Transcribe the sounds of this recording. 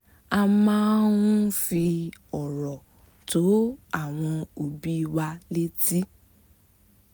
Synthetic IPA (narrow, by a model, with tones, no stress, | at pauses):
a˧mãː˦nũ˦fi˧ɔ˨ɾɔ˨ | to˨˦a˦˨w̃ɔ̃˧o˨bi˦˧wa˧le˦ti˦